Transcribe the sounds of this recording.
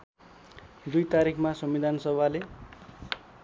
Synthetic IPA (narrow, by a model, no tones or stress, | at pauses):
d̪ujt̪aɾikʰmasʌmːid̪ʱansʌbʱale